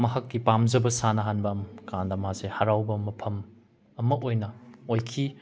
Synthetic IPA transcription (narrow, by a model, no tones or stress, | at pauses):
mɐɦɐkːipamzɐbɐsanɐɦanbɐmkandamhasehaɾawbɐmɐpʰɐm | ɐmɐojnɐojkʰi